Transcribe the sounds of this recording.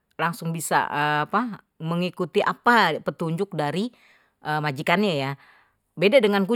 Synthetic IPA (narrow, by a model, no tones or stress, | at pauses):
laŋsʊŋbisa̰əapa | məŋikut̪iʔapapət̪uɲd͡ʒʊk̚daɾi | ʔəmad͡ʒikanɲaja | bedadəŋanku